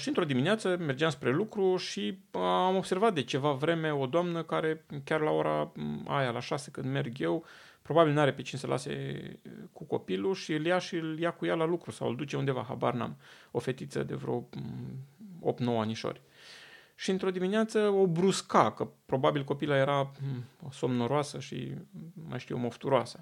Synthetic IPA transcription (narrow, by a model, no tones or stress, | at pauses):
ʃiɨnt̪ɾo̞d̪imineat̪səme̞rd͡ʒeamspɾe̞lukɾuʃiamo̞bse̞rvat̪̚d̪e̞t͡ʃe̞vavɾe̞me̞o̞d̪oamnəkaɾe̞kʲarlao̞ɾa̰a̰jalaʃasekɨnd̪me̞rɡje̞w | pɾo̞babilnaɾe̞pet͡ʃinsəlʔa̰se̞̰ | kuko̞̰piluʃiɨljaʃiɨljakujalalukɾusa̰wɨ̰ld̪ut͡ʃe̞und̪e̞va̰ɦa̰ba̰rna̰mo̞fe̞t̪it̪sə̰d̪e̞̰vɾo | o̰pt̪no̞waniʃo̞̰rʲ | ʃiɨnt̪ɾo̞d̪imineat̪səo̞bɾuskakəpɾo̞babilko̞pilaje̞ɾa | so̞mnoɾoasəʃḭma̰jʃt̪ijomoft̪uɾoasə